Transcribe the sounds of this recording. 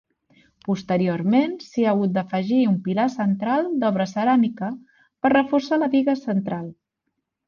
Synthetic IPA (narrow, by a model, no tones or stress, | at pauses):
pust̪əɾioɾmensiaɣut̪̚d̪əfəʒiumpilasənt̪ɾalˠd̪ɔβɾəsəɾamikə | pərrəfursaləβiɣəsənt̪ɾalˠ